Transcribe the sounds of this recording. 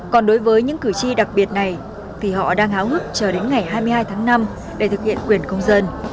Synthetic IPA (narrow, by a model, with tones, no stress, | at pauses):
kɔ˨˩nɗo˨˦jvəː˨˦jɲɨ̰˧˥ŋkɨ˧˩t͡ɕi˧ɗa˨˩k̚ɓi˨˩ət̚na˨˩j | t̪ʰi˨˩ɦɔ̰˧˨ɗaː˧ŋʔaː˨˦whɨ˦˥k̚t͡ɕəː˧˩ɗe˨˦nŋa˨˩jɦaː˧jmɨ˧jhaː˧jt̪ʰaː˨˦ŋna˧m | ɗe˧˩t̪ʰɨ˨˩k̚hḭ˧˨ənkwi˨˩ənkə˧wŋ͡mzə˧n